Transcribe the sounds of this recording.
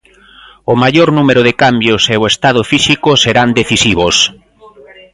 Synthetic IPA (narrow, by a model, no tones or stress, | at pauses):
ʊmaʎoɾnumeɾʊðɪkambjoseoest̪að̞ʊfisikʊseɾand̪eθisiβos